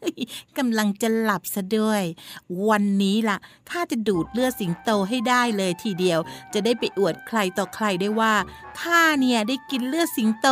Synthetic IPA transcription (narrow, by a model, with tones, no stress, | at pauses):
jka˧mla˧ŋt͡ɕa˨˩la˨˩p̚sa˧˩du˥˩əjwa˧nːiː˦˥la˨˩t̪ʰaː˥˩t͡ɕa˨˩duː˨˩t̪̚lɯ˥˩əsi˩˦ŋt̪oː˧ɦa˥˩jdaː˥˩jlɤː˧jt̪ʰiː˨˧˩di˧əwt͡ɕa˨˩daː˥˩jpa˧jʔu˨˩ət̪̚kʰla˧jt̪ɔː˨˩kʰla˧jda˥˩jwaː˥˩t̪ʰaː˥˩ni˥˩ɐdaː˥˩jki˧nlɯ˥˩əsi˨˩˦ŋt̪oː˧